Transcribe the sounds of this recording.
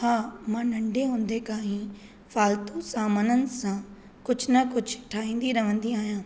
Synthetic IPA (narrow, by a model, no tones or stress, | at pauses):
haːmãːnɐ̃ɳɖʱeɦũːn̆d̪ekaːɦĩ | faːlt̪ũsãːmɐnənɪ̆sã | kʊd͡ʑʱʊnɐkʊd͡ʑʱʈʰaːɦĩːn̆d̪iɾɐʋə̃nd̪iaːɦijãː